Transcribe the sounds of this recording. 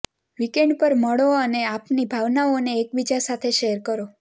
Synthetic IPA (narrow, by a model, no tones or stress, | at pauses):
ʋikeɳɖpəɾməɭoəneapnibʱaʋnaoneːkbid͡ʒasat̪ʰeʃeəɾkəɾo